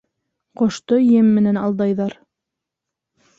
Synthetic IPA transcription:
qŏʃt̪ojɘmːɘ̆nænɑlˠd̪ɑjðɑɾ

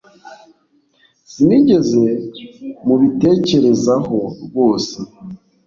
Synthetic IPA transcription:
siniːɟe̞ze̞ | muβite̞ːce̞ɾe̞zaho̞ɡo̞ːse

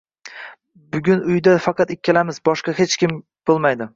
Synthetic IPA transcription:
bʊɡʲʊnʊjd̪afɑqɑt̪ɪkʲʰːalamɪzbɒʃqɑhet͡ʃkʲɪm | b̥olˠmajd̪ɪ

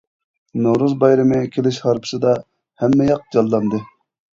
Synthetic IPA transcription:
nowɾuzbɑjɾɨmɨkʲʰelɪʃhɑɾpʰɨ̥sɨd̪ɑ | hɛmːɛjɑq̚d͡ʒɑlˠːɑnd̪ɨ

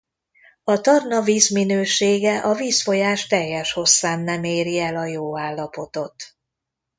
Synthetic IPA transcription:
ɒt̪ɒrnɒviːzminøːʃeːɡɛʔɒviːsfo̞jaːʃt̪ɛjːɛʃho̞sːaːnːɛmeːɾiɛlɒjoːaːlːɒpo̞t̪o̞t̪

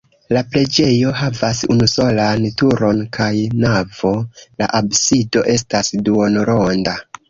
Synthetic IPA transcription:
laple̞d͡ʒe̞jo̞havasunuso̞lantuɾo̞nkajnavo̞la̰ʔabsido̞ʔe̞s̬tasduonoɾo̞nda

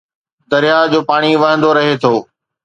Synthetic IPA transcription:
d̪ɐɾɪjad͡ʑoːpaːɽ̃iʋɐɦə̃nd̪oɾɐɦet̪ʰoː

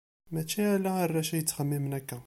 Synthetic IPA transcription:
mæt͡ʃiʕlæhərˤːæʃæjət̪ːxæmːimənækːæ

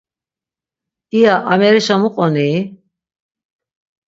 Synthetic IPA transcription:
iaʔːmɛɾiʃamuqʼɔni

